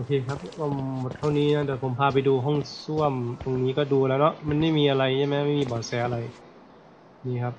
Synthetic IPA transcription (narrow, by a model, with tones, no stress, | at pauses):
ʔoː˨˧kʰeː˧kʰa˦˥p̚ka˧˩mo˨˩t̪̚t̪ʰa˥˩wniː˦˧˥na˧˥˨t̪ɛː˧˩pʰo˩˦mpʰaː˧p̬a˧jduː˧ɦɔ˥˩ŋsu˥˩˨əmt̪o˧ŋniː˦˥kɔː˥˩duː˧lɛː˦˥wnɔ˦˥ʔma˧˥nma˥˩jmiː˧ʔa˧ɾa˧ja˧˩mɛ˧˦˥ma˥˩˨jmiː˧˩bɔː˨˩sɛː˨˦ʔa˧ɾa˧j | niː˧˥˩kʰa˦˥p̚